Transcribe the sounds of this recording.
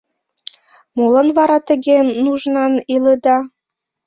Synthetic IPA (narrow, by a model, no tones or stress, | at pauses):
mulə̆nβɑɾɑt̪ə̆ɣenːuʒnɑniləd̪ɑ